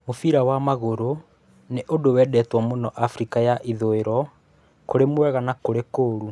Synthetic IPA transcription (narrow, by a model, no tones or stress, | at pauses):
mofiɾawamaɣoɾo | neʔodowɛːdɛtwamonɔʔafɾikajaʔiðoeɾɔ | koɾemwɛɣanakoɾekoːɾu